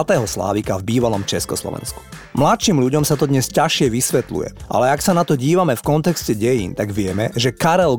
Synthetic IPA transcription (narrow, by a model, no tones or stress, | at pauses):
t̪ɛːɦɔsla̰ːʋikavbiːʋalɔmt͡ʃɛskɔslɔ̰ʋɛ̰nsku̥ | mlat̪ʃiːmʎuɟɔmsat̪ɔd̪ɲɛscaʃɪɛʋisʋɛt̪lṵjɛ̰ʔa̰lɛaksanat̪ɔɟiːʋamɛfkɔnt̪ɛkscɛɟɛjḭːnt̪aɡʋɪɛmɛʒɛkaɾɛl